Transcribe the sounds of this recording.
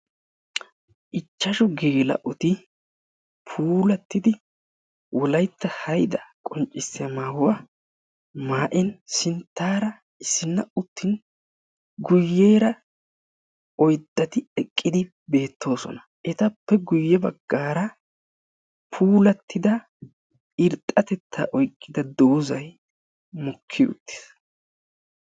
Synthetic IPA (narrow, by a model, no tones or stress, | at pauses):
ʔɪt͡ʃːɐʃɔɡeːlɐ̰ʔɔt̪ɪ | pʰuːlɐt̪ːɪd̪ɪ | wɔlɐjt̪ːɐhɐjd̪ɐkʼɔnt͡ʃʼːɪsːɛmaːhʊwa | maːʔɪnsɪnt̪ːaːɾɐ | ɪsːɪnːɐʊt̪ːɪn | ɡʊjːe̞ːɾɐ | ɔjd̪ʼːɐt̪ɪɛkʼːɪd̪ɪ | be̞ːt̪ʰːo̞ːsɔ̰nɐ | ʔɛt̪ɐpːɛɡʊjːɛbɐɡːaːɾɐ | pʰuːlɐt̪ʰːɪd̪ɐ | ɪɾt̪ʼːɐt̪ɛt̪ʰːa̰ːʔɔjkʼːɪd̪ɐd̪o̞ːzɐj | mɔkʰːɪʊ̰t̪ːɪ̥s